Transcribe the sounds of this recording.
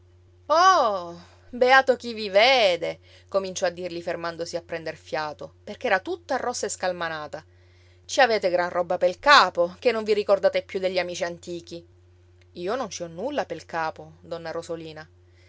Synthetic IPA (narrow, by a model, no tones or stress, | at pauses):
ɔ | beaːt̪ok̟iviveːd̪e | komint͡ʃɔad̪ːirʎifermand̪osiapːɾɛnd̪erfjaːt̪operkeɛːɾat̪ut̪ːoarːɔsːaeskalmanaːt̪a | t͡ʃiavɛːt̪eɡɾanrɔbːapelkaːpok̟enːoɱviɾikord̪aːt̪epjud̪ːeʎːiamiːt͡ʃiant̪iːk̟i | iːonont͡ʃiɔnːulːapelkaːpod̪ɔnːaɾozoliːna